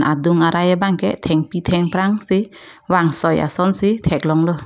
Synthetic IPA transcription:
naduŋaɾajabaŋkʰɛʔt̪ʰɛŋpitʰɛŋpɾaŋsi | waŋsɔja̰sɔnsitʰɛk̚lɔŋlɔ

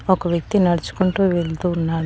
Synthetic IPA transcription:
ɔkɐʋjɐk̚t̪inɐɽɐt͡ʃu̥kuɳʈuːʋeɭd̪uːnːaːɽu

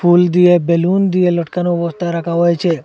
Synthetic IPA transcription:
pʰuld̪iebelund̪ieləʈkanoʋɔst̪aɾakʰaɦɔjt͡ʃʰe

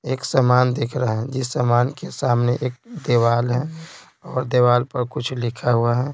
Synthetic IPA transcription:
eːksəmaːnd̪eːkʰɾəɦɦɛ̃d͡ʒɪsːəmaːnkesaːmneʔeːk̚d̪eːwaːlɦɛ̃ | ɔːɾd̪eːʋaːlpəɾkʊt͡ʃʰlɪkʰaɦuaɦɛ

